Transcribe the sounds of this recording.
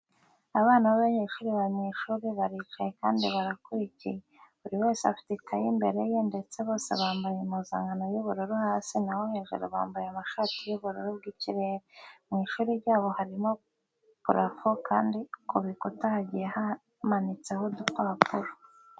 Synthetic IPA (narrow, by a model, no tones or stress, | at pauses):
aβaːnaβaβaɲeːʃuɾiβaɲeʃuːɾiβaɾit͡ʃaje̞kaːndiβaɾakuɾicijeβuɾiwe̞ːseafi̥titʰajimbe̞ɾe̞jende̞t͡se̞βo̞ːse̞̰βaːmbajemuza̰ːŋɡanojuβuɾoɾuhaːsinawohe̞ːʒe̞̰ɾo̰βa̰ːmbajamaʃatijuβuɾuɾubɡiːciɾe̞ːɾemŋiːʃuːɾiɾɟaːβo̞haɾimo̞ | kuɾafokaːndikuβikutahaɟijeha | manit͡se̞ɦodukwapuɾo